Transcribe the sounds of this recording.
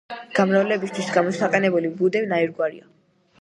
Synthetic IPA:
ɡ̥amɾavlɛbist̪ʰwisɡamɔsaqʼɛnɛbulibud̪ɛvnaiɾɡwaɾḭa

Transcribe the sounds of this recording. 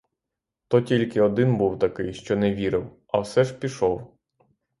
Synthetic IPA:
t̪ɔtʲilʲkɪɔd̪ɪnbuwt̪ɐkɪjʃt͡ʃɔnɛʋʲiɾɪw | ɐwsɛʒpʲiʃɔw

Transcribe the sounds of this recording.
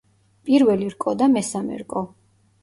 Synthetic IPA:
pʼiɾvɛliɾkʼɔd̪amɛsamɛ̰ɾkʼɔ

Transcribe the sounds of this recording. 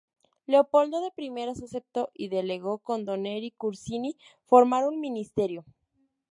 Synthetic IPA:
le̞opo̞ld̪o̞ðe̞pɾime̞ɾasase̞p̚t̪o̞ʔiðe̞le̞ɣo̞ko̞nd̪o̞neɾikuɾsinifo̞ɾmaɾunmĩnist̪e̞ɾjo̞

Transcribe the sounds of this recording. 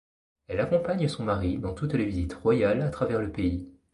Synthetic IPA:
ɛlakɔ̃paɲəsɔ̃maʁid̪ɑ̃t̪ut̪levizit̪ʁwajalat̪χavɛʁləpei

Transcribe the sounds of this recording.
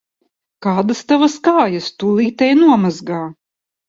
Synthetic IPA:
kaːd̪ɐst̪avaskaːjɐst̪ulˠiːt̪ɛjnuɔmazɡaː

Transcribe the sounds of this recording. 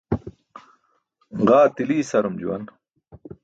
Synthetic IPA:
ʁaːt̪iliːsɐɾumd͡ʑṵwɐn

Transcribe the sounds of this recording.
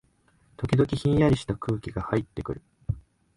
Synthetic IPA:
t̪o̞kʲid̪o̞kʲiçĩɰ̃jaɾʲiɕi̥t̪akɯ̟ːkʲiɡahait̪ːe̞kɯ̟ɾɯ̟

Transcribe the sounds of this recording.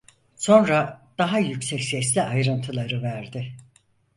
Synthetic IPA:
so̞nɾad̪̥aɦajycsɛcsɛslʲiajɾɯnt̪ʰɯlˠaɾɯvæɾd̪ɪ

